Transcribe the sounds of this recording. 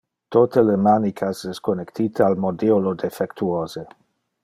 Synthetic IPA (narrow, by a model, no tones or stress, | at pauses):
t̪ot̪ələmanikʰasɛskonekt̪ʰiːt̪əalmod̪eolod̪efɛkt̪uoːze